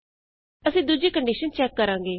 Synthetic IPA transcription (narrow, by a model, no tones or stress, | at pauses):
əsĩːd̪ud͡ʒikə̃ɳɖiʃənt͡ʃɛːkːəɾãːŋ̆ɡeː